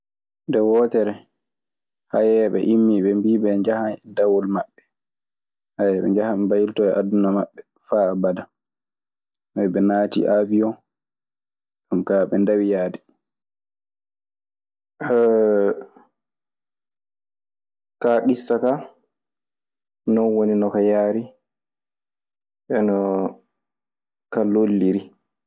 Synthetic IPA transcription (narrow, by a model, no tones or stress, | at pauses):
ndɛwɔːtɛɾɛ | hajɛɓɛ̰ʔimːiɓɛmbiɓɛɲd͡ʒahadawɔlmaɓːɛ | hajɛɓɛ̰ɲd͡ʒahambajiltɔjɛʔadːunamaɓːɛ | faːbada | mɛbɛnaːtḭʔavijɔ | amkaɓɛndawijaːdɛ | ɛ | kaɗisːaka | nɔnwoninɔkajaːɾi | ʔɛnɔ | kalolːiɾi